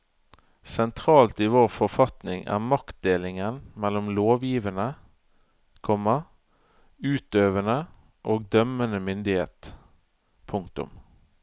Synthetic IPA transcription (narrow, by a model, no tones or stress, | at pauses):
sɛnt̪ʰʁɑːlt̪iːʋoːʁfɔfɑt̪nɪŋʔæ̰ːʁmɑkt̪̚d̪eːlɪŋənmɛlːɔmloːʋjiːʋənə | kʰɔmə | ʉːt̪øːʋənə | ʔoːɡ̚d̪œmənəmʏnd̪ɪhḛːt̪ | pʰʊŋkt̪ʊ̰m